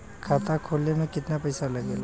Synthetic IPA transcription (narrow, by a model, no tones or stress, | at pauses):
kʰaːt̪akʰoːlnemẽkɪt̪napɐɪsalɐɡeːla